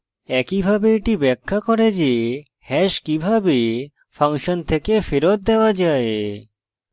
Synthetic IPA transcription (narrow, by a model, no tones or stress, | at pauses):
ɛkibʱabeeʈibɛkʰːakoɾed͡ʑe | hɛʃkibʱabe | faŋʃont̪ʰekefeɾot̪̚d̪eoad͡ʑae